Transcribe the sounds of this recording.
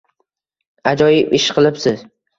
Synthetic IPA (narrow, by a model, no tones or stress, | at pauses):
ad͡ʒɒjɪpɪʃqʰɨlˠɪpsɪz